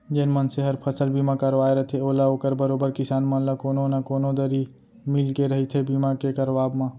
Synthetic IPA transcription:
d͡ʒeːnmənseɦəɾpʰəsəlbiːmakəɾʋaːeɾɐt̪ʰeoːlaoːkəɾbəɾoːbəɾkɪsaːnmãlakoːnonakoːnod̪əɾi | mɪlkeɾəɦit̪ʰebiːmakekəɾʋaːbmãː

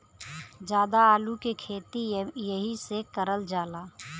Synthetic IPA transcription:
d͡ʒjaːd̪aaːlukekʰeːt̪ijəɦisekəɾəld͡ʒaːlaː

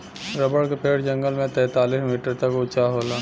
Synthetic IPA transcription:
ɾɐbəɽkepeːɽd͡ʒɐ̃ŋɡəlmẽt̪ɛ̃ːt̪aːliːsmiːʈəɾt̪ɐkʊt͡ʃaɦoːlaː

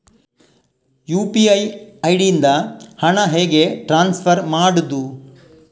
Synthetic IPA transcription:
juːpiɐjɐjɽijind̪ɐhɐɳɐɦeːɡe̞ʈɾaːnspʰɐɾmaːɽud̪u

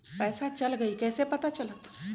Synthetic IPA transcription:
pɛːsat͡ʃəlɡəikɛːsepət̪at͡ʃɐlət̪

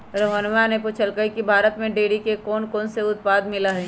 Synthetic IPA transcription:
ɾoɦənʋanepuːt͡ʃʰəlkəikibʱaːɾət̪mẽɖeːɽikekɔːnkɔːnseʊt̪̚paːd̪mɪlaɦɛ

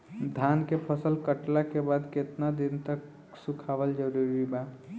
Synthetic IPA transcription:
d̪ʱankepʰəsəlkəʈlakebad̪ket̪nad̪int̪ək | sukʰabəld͡ʒəɾuɾiba

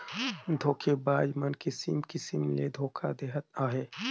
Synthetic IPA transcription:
d̪ʱoːkʰebaːd͡ʒmɐnkisḭmkɪsɪmlḛd̪ʱoːkʰa̰d̪eːɦət̪aːɦeː

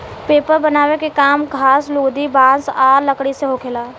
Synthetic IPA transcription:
peːpəɾbənaːʋekekaːmkʰaːsloːd̪ibãːsaːɾləkɽiseɦokʰelaː

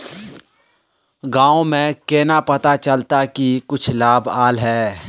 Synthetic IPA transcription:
ɡãːõmẽkeːnapɐt̪at͡ʃɐlt̪akikʊt͡ʃʰlaːbaːlɦɛː

